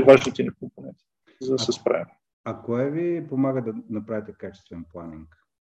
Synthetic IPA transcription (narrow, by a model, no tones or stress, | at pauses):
vaʒnit̪ɛnikomponɛ̃nt̪i̥ | zɐd̪ɐsɛspɾa̰vim | ɐkoɛvipomaɡəd̪ɐnɐpɾavʲit̪ɛkat͡ʃɛ̥st̪vɛnplˠaniŋk